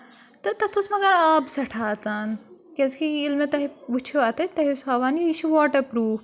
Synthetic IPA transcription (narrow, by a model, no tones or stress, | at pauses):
t̪ɐt̪ɐt̪ʰusmɐɡɐɾaːbsɐʈʰaːt͡saːnkeskiːlmet̪ɐɦiʋut͡ʃʰeaːt̪ɐt̪ɐɦisaːʋaːniiʃʰiʋaːʈɐpɾuː